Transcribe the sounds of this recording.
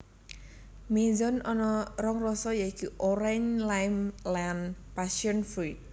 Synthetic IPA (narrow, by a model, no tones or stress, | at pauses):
mizɔnɔnɔrɔŋrɔsɔjaikiʔoɾɛɲlajmlanpasiɔnfɾit̚